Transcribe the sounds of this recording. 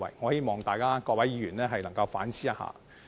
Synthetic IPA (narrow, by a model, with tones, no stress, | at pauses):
wɐ̰˨jŋɔː˨˦˥heː˥˧˥jmɔː˨ŋt̪aː˨jkaː˥kɔː˧k̚wɐ˨˦jiː˨˧˥ɥyː˨˩nlɛː˥ɦɐ˨jlɐ˨˩ŋkɐ˧wfaː˨˥nsʰiː˥jɐ˦˥ha̰ː˨˧˦